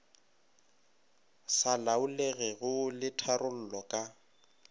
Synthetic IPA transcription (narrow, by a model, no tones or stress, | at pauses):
salaʊleɣɛɣʊlɪtʰarʊl̩lɔkʼa